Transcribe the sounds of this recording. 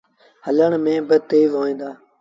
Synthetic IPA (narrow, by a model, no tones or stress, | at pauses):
hələɳmẽːbɪt̪eːʋɦoːĩːnd̪aː